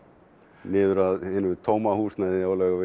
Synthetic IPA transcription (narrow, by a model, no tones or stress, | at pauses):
nɪːðʏɾaðɪnʏt̪ʰoːwmahuːsnaðɪawlɛɣavɪ